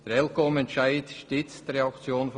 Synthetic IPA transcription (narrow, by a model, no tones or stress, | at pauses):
d̥ɾɛlkomɛntʃaɪtʃtɪt͡sdɾeɑkt͡sjoːnf